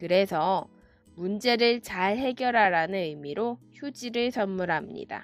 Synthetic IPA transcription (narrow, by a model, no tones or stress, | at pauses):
kɯɾe̞sʰʌ | mund͡ʑe̞ɾɯɭt͡ɕaɭɦe̞ɡjʌɾɦaɾanɯnɯmiɾoçjud͡ʑiɾɯɭsʌnmːuɾɦamɲḭda̰